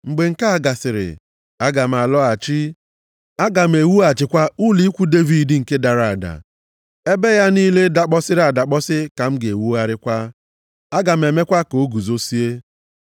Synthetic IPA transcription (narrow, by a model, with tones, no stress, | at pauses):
ŋ͡m̩˨ɡ͡be˨ŋ̩˨ka˦a˨ɡa˨sɪ˨ɾɪ̰˨ | a˦ɡa˨m̩˨a˨lɔ˦a˨t͡ʃi˦ | a˦ɡa˨m̩˨e˨wu˦a˨t͡ʃɪ˨kʷa˦u˦li˦kʷu˦de˦vi˨di˨ŋ̩˨ke˦da˨ɾa˨a˨da̰˨ | e˦be˦ja˦niː˦le˦da˨k͡pɔ˦sɪ˦ɾa˨da˨k͡pɔ˦sɪ˦ka˨m̩˦ɡe˨wu˦a˦ɾɪ˦kʷa˦ | a˦ɡa˨m̩˨e˨me˦kʷa˦ko˨˦ɡu˨zo˦si˦e˦